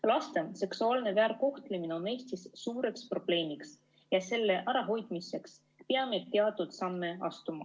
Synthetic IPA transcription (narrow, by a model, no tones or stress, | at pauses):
lɑst̪e̞nse̞ksuɑːlne̞væːɾko̞ht̪lemineo̞ne̞ːst̪isːuːɾe̞kspro̞b̥le̞ːmiks | jɑse̞lːe̞ʔæɾɑɦo̞jd̪̥mise̞ks | peɑmet̪ːeɑt̪ːud̪̥sɑnːe̞ɑst̪umɑ̰